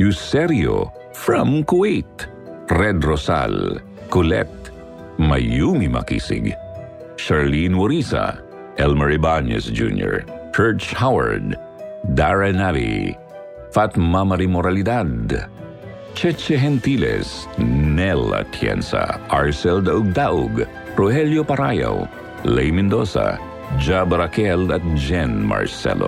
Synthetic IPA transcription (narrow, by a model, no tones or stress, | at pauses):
jusɛɾjo̰ | fɹãmkuet̪ | ɾɛd̪ɾɔsa̰l | kʊlɛ̰t̪̚ | majumimɐ̰kḭsɪ̰ɡ | ʃaɹlinwɔɾisa̰ | ɛlmɛɹibanɛ̰sd͡ʒṵnjɔ̰ɹt͡ʃɛɹt͡ʃhawɐ̰ɹd̪ː | aɹɛnavḭ | fat̪mamɐɾimoɾalɪd̪ad̪ | t͡ʃɛt͡ʃɛɦɛnt̪ilɛ̰snɛla̰t̪ʰjɛ̰nsa̰ʔaɹsɛld̪ɐʔʊɡ̚d̪aʔʊɡ | ɾohɛljopɐɾaja̰w | lɛjmɛnd̪o̰sa̰ | d͡ʒabɐɾakɛlɐt̪̚d͡ʒɛnma̰ɹsɛ̰lo